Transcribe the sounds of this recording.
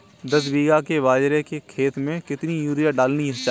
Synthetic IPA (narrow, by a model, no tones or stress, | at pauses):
d̪ɐsbiːɡakeʋaːd͡ʒɾekekʰeːt̪mẽkɪt̪nijuːɾijaɖaːlniɐt͡ʃa